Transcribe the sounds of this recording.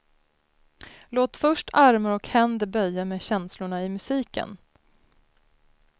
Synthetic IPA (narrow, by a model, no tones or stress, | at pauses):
loːt̪fœʂʈʰaɾmaɾɔkhɛnd̪əbœjːameːɕɛnslʊɳaɪmɵsiːkə̰n